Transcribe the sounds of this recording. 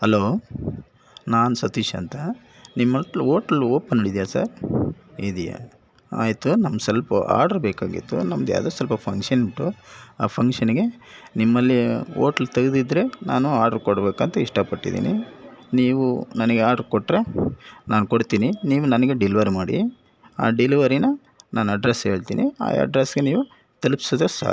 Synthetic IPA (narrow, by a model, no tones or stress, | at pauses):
hɐloː | naːnusɐt̪iʃɐnt̪ɐ | nimːɐʈoːʈɐlːuoːpːɐnːoɽid̪ijaːsɐ̰ɾ | id̪ija̰ | a̰ːjit̪unɐmːsɐlpɐʔa̰ːɾɖɐɾbeːkaːɡḭt̪ːṵnɐmɐd̪ja̰ːd̪ɐːsɐlpɐpʰɐŋkʂɐniʈːuaːpʰɐŋkʂɐniɡe̞ | nimːɐlːioːʈɐlt̪ɐɡɐd̪id̪ɾe̞naːnuaːɾɖɐɾkoɽbeːkɐnt̪ɐiʂʈɐpɐʈːḭd̪ḭːnḭniːʋunɐnɐɡeaːɾɖɐɾkoʈːɾe̞naːnukoɽt̪iːniniːʋunɐnɐɡe̞ɖiliʋɐɾmaːɽḭ | aːɖiliʋɐɾinɐ | naːnuɐɖɾesɦeːɭt̪ḭːnʔḭa̰ːɐ̰ɖɾesɡe̞niːʋu | t̪ɐlpi̥soːd̪ɐsa̰ː